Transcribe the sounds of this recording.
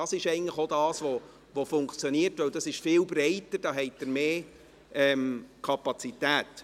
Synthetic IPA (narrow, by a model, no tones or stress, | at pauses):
ɑsɪʃɛɪɡŋn̩tləχodɑːsʋo | ʋofʊŋkt͡sjoniəɾtʋœwd̥ɑsɪʃfɪːlbɾɛɪtəɾd̥ɑːɦɛɪt̚d̥əɾmeː | ʔɛmkʰɑpɑt͡sitæːt